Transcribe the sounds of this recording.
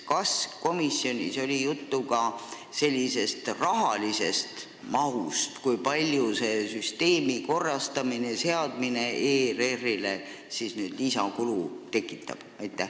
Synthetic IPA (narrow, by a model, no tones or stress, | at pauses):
kɑsko̞misːio̞nʲḭso̞lʲijut̪ːuɡɑ | se̞lʲːise̞st̪rɑɦɑlise̞st̪ | mɑɦust̪kujpɑlʲjuse̞ːsyst̪e̞ːmiko̞rːɑst̪ɑmine̞se̞ɑd̪mine̞ʔeːre̞rːile̞ | sisnyːd̪lisɑkulut̪e̞kːˑit̪ːˑɑ̰b̥ɑjt̪ːˑæh